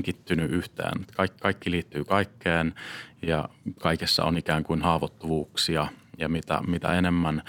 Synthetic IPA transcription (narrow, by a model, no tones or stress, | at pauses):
ŋkit̪ːynyʔyht̪ḛːnet̪kɑikkɑikːiliːt̪ːyːkɑikʰːeːnjɑ̰kɑikesːɑ̰o̰nikæːŋkuinhɑːʋot̪ːuʋuːksiɑjɑmit̪æ̰mit̪æ̰enemːæn